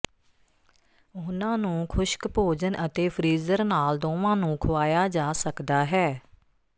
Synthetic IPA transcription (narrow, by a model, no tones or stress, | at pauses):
ɦʊnãːnũːkʰʊʃkpoːd͡ʒənʔət̪eːpʰɾiːzəɾnaːld̪oːʋãːnũːkʰʊʋaːjaːd͡ʒaːsəkd̪aːɦɛː